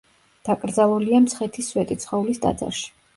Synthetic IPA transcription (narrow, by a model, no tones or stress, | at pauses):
d̪̥akʼɾd̪zalˠuliamsχɛt̪ʰiswɛt̪ʼit̪sʰχɔulisd̪ʼa̰d̪za̰ɾʃi̥